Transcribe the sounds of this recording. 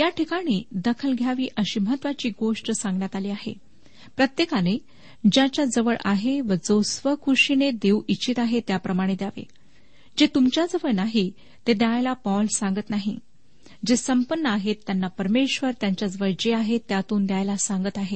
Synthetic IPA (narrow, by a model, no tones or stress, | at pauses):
jaʈʰikaɽ̃iːd̪əkʰəlɡʱjaʋiːʔəɕiːməɦət̪ːʋat͡ɕiːɡoʂʈsãŋɡɳjat̪aliːaɦḛ | pɾət̪jekane | d͡ʑat͡ɕjad͡zəʋəɭʔaɦeʋəd͡zosʋəkʰuʂined̪ewit͡ɕit̪aɦet̪japɾəmaɽ̃ed̪jaʋḛ | d͡ʑet̪umt͡ɕjad͡zəʋəɭnaɦi | t̪ed̪jajlapɔlsãŋɡət̪naɦḭ | d͡ʑesəmpənːəaɦet̪ːjanːapəɾmeɕʋəɾt̪jaɲt͡ɕjad͡zəʋəɭd͡ʑeaɦet̪ːjat̪uːnd̪jajlasaŋɡət̪aɦe